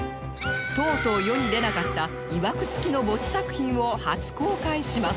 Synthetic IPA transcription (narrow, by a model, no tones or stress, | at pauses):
t̪o̞ːt̪o̞ːjo̞ɲ̟id̪e̞nakat̪ːa | iβakɯ̟̥t͡sɨ̥kʲino̞bo̞t͡sɨ̥sakɯ̟̥çĩɰ̃o̞hat͡sɨ̥ko̞ːkaiɕimas